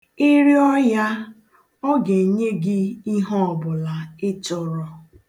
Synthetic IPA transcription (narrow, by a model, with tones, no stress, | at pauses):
ɪ˦ɾi˦ɔ˦ja˦ | ɔ˦ɡe˨ɲe˦ɡɪ˦i˦ɦɔ˦ɔ˨bʊ˨la˨ɪ˦tʊ˨ɾɔ˦